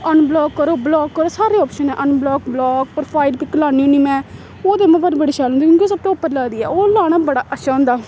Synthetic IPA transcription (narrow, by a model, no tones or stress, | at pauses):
ənblɔːkːəɾoːblɔːkːəɾoːsaːɾeːɔːpʃənɛːʔənblɔːkblɔːk̚pɾpʰaːɪlpiːkəlaːnĩːoniːmɛ̃ː | oːd̪eːmɛ̃ːpəɾbəɽeːʃaːlond̪iːkjõːkioːsəb̚t̪õːʊpːəɾlaːd̪iːɛːoːlaːɽ̃aːbəɽaːʔəʃʰaːɦʊ̃nd̪aː